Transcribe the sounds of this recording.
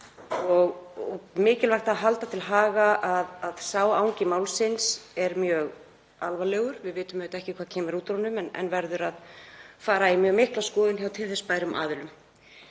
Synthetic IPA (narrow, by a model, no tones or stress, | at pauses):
ɔɣɔɣmɪːcɪlvajxt̪aðɦalt̪at̪ʰɪlɦaːɣaʔaðaðsaːwawɲcɪmaːwlsɪnsɛɾmjœːɣ | alvalɛːɣʏɾ̥vɪðvɪːt̪ʏmœːt̪ɛhcɪkʰv̥aːðcʰɛːmɪɾuːt̪ɾɔnːʏmɛnɛ̰nvɛɾðʏɾaðfaːɾaimjœːɣmɪhklaskɔːðɪnçawt̪ʰɪlθɛspaːjɾʏmʔa̰ːðʏlʏm